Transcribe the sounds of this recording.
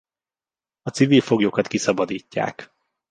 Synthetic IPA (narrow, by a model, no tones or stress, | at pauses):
ɒt̪siviːlfo̞ɡjokɒt̪kisɒbɒd̪iːcːa̰ːk